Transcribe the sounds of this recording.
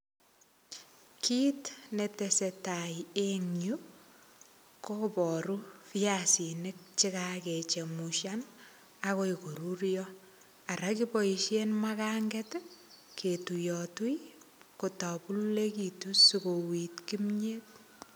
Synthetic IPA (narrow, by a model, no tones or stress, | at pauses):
kʰitnetesetajeŋju | kopɔɾufijasinɪk̚t͡ʃikaket͡ʃemuʃjan | akoikoɾuɾjɔ | aɾakipɔiʃjenmakaŋɡetkʰetujɔtujkotɔpullekitusukowitkimɲet̚